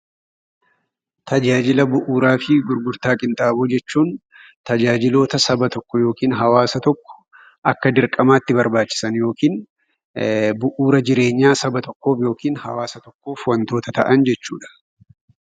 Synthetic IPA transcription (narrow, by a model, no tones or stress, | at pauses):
t̪ɐd͡ʒaːd͡ʒɪlɐbʊʔuːɾaːfɪɡʊɾɡʊɾt̪aːkʼɪnt̪ʼaːbod͡ʒɛt͡ʃːuːn | t̪ɐd͡ʒaːd͡ʒɪlo̞ːt̪ɐsɐbɐt̪ɔkːɔjo̞ːkiːnɦɐwaːsɐt̪ɔkːɔ̥ | ɐkːɐd̪ɪɾkʼɐmaːt̪ːɪbɐɾbaːt͡ʃːɪ̥sɐnjo̞ːkiːn | bʊʔuːɾɐd͡ʒɪɾe̞ːɲːaːsɐbɐt̪ɔkːo̞ːfjo̞ːkiːnhɐwaːsɐt̪ɔkːo̞ːfwɐnt̪oːt̪ɐt̪ɐʔɐnd͡ʒɛt͡ʃːuːᶑɐ̥